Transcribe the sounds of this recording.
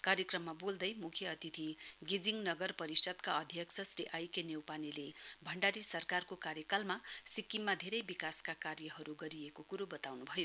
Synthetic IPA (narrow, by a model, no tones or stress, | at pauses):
kaɾjʌkrʌmːabold̪ʌjmukʰjʌʌt̪it̪ʰiɡed͡ziŋnʌɡʌrpʌɾisʌt̪kaʌd̪ʱjʌksʰʌsriʔajkenjewpanilebʱʌɳɖaɾisʌrkarkokaɾjʌkalmasikːimːad̪ʱeɾʌjbikaskakarjʌɦʌɾuɡʌɾiekokuɾobʌt̪awnubʱʌjo